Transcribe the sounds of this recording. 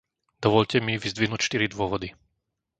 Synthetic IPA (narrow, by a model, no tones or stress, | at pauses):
d̪̥ɔʋɔʎcɛmiʋizd̪ʋiɦnuːcʃt̪iɾid̪ʋʊɔʋɔd̪i